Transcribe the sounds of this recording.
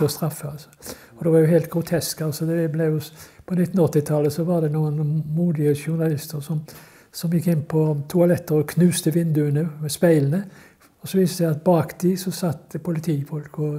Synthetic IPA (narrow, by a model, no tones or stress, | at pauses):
ɔst̪ɾɑfːəɑlsɔ | ɔd̪ɛʋɑʁjʊɦæɪlt̪̚ɡ̥ʁʊt̪ʰɛskɑlsɔd̪ɛblɛjʊpʰɔnɪt̪ːn̩ɔt̪ːɪt̪ʰɑlːəsɔʋɑʁd̪ɛnuːənmuːd̪ɪəʃʊʁnɑlɪst̪əʁsɔm | sɔmjɪkːɪnːpʰɔt̪ʰʊɑlɛt̪ːəɾɔkʰnʉːst̪əʋɪnd̪ʉənʉːmɛspæɪlənə | ɔsɔʋiːsəɛɑt̪̚bɑːkd̪iːsɔsɑt̪ːpʰʊlɪt̪ʰiːfɔlkɔ